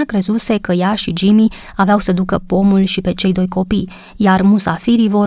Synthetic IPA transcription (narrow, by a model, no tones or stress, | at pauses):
akɾezuse̞kəjaʃid͡ʒimi | aveawsəd̪ukəpo̞mulʃipe̞t͡ʃe̞jd̪o̞jko̞pij | jarmusafiɾivo̞